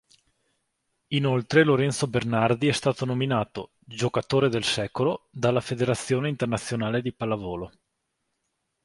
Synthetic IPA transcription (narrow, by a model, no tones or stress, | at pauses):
inolt̪ɾeloɾɛnt̪sobernard̪iɛst̪aːt̪onominaːt̪o | d͡ʒokat̪oːɾed̪elsɛːkolod̪alːafed̪eɾat̪sːjoːneint̪ernat̪sːjonaːled̪ipalavoːlo